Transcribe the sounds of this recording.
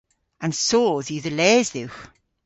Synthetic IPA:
ə̃nsoːðiðəlɛːzðɪwx

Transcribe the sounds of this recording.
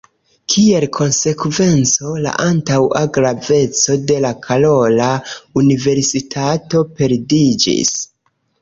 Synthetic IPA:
kʰie̞lkʰo̞nse̞kve̞nt͡so̞la̰ʔantawaɡɾave̞t͡so̞de̞lakʰalo̞launive̞ɾsitʰato̞pe̞ɾdid͡ʒḭs

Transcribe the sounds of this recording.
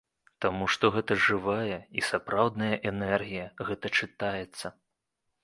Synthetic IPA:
t̪amuʂt̪ɔɣɛt̪ɐʐɨvajɛisapɾawd̪nɐjɐʔɛnɛrɣʲijɐɣɛt̪ɐt͡ʂɨt̪ajɛt̪sːɐ

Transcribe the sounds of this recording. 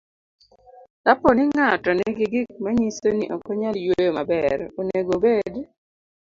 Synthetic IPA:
lapɔnɪŋatɔnɪɡɪɡɪk̚maɲisoniʔɔkɔɲaljwojomabɛɾoneɡobed

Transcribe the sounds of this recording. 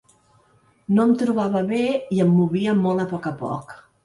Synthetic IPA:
noəmt̪ɾuβaβəβeiəmːuβiəmolˠəpɔkəpɔ̰k

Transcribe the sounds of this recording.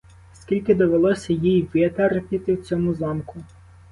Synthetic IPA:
skʲilʲkɪd̪ɔʋelˠɔsʲɐjijʋɪt̪ɐɾpʲit̪ɪwt͡sʲɔmʊzɑmkʊ

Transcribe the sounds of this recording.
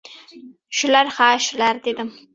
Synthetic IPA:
ʃʊlaɾhaːʃʊlaɾd̪e̞d̪ɪm

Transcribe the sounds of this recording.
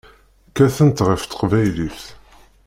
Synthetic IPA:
kːæθənt̪ʁəft̪ə̥qvæjliθ

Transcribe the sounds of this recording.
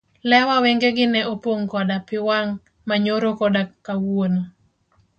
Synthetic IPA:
lɛwaweŋɡeɡɪnɛopoŋkɔdapɪwaŋ | maɲoɾokɔdakawuono

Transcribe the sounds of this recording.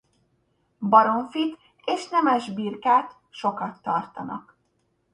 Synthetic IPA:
bɒɾo̞ɱfit̪ | eːʃnɛmɛʒbiːrkaːt̪ | ʃo̞kɒt̪ːɒrt̪ɒnɒ̰k

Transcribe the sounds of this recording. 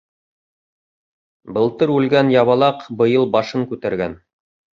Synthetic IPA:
bɤ̆lˠt̪ɤɾʉlɡænjɑβɑlˠɑqbɤ̆jɤlˠbɑʃɤŋkʉt̪æɾɡæn

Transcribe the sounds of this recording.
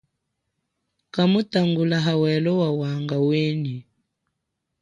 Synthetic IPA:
kamutaŋɡulaɦawɛlɔwawaŋɡaweni

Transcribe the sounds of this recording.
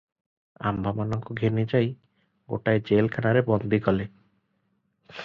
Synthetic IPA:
a̰mbʱamanɔŋkuɡʱenid͡ʒaj | ɡo̰ʈaed͡ʒelkʰanaɾebɔnd̪ʱikɔle

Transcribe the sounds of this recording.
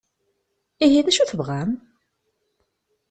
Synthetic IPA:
iɦiðæʃuθəvʁæm

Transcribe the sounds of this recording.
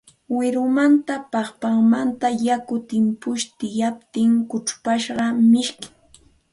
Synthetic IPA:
wɪɾʊmant̪apɑχpaŋmant̪ajakʊt̪ɪmpʊʃt̪ɪjap̚t̪ɪŋkʊʈ͡ʂpaʃɢɑmɪʃkɪ̥ŋ

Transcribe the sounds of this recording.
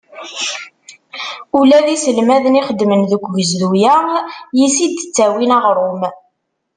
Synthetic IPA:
ulæðisəlmæðəniχəd̪ːmənðəkʷːʝəzðujæjisid̪t͡sːæwinɑʁɾˤʊm

